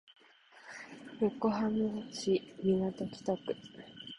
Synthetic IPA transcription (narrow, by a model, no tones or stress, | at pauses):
ɾokːo̞ɦamɯɕimʲinat̪okʲi̥t̪okɯ̟̥